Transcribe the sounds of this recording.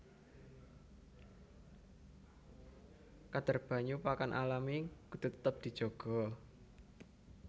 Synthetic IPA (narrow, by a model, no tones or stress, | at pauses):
kad̪̥ə̤rb̥ä̤ɲupakanʔa̰lamikud̪̥ṳt̪ət̪ːəp̚d̪̥i̤d̥ʒ̥ɔ̤ɡ̥ɔ̤